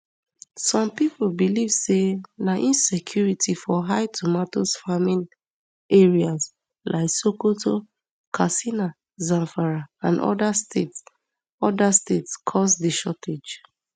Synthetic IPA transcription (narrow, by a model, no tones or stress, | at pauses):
sɔ̃mpipobilivsenaʔĩnsekʰjuɹitʰifɔɦaɪtʰomatosfamĩn | eɹias | lʔa̰ɪksokotʰo | kʰasina | zãnfaɹaãnɔ̰dastets | ɔdastetskʰɔsdeʃɔtʰed͡ʒ